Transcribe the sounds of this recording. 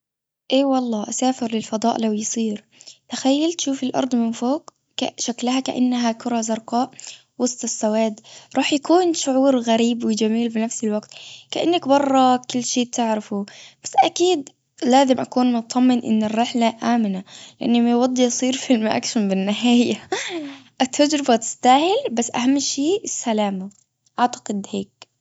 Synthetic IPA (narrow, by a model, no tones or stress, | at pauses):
ʔeːwɑlˤːɑːʔasaːfɪɾlɪlfɑd̪ˤɑːʔlawjsˤiːɾ | t̪axajːalt̪ʃuːfɪlʔɑ̰ɾˤd̪ˤmɪnfoːkː | a̰ʃaklahakaʔa̰nːɦakʊɾˤɑzɑɾˤqɑːʔ | wɑsˤt̪ˤɪsːawaːd̪ɾˤɑːħjakuːnʃʊʕuːɾɣaɾiːbwɪd͡ʒamiːlfinafsɪlwaɡt̪kaʔanːakbɑrˤːɑkʊlːʃeːt̪ɪʕɾafub̥asːʔakiːd̪ | laːzɪmʔakuːnmʊt̪t̪ˤːɑmːɪnʔɪ̰nːɪrːɪħlaʔaːmɪnalɪʔanːɪmajwɑd̪ˤːiʔsˤiːɾfɪlmʔa̰kʃambɪnːɪɦaːja | ʔat̪ʰːad͡ʒɾɪbat̪ɪ̥st̪aːhɪlbasːʔa̰hamːʃeːʔɪsːalaːma | ʔaʕt̪ḁqɪd̪heːk̚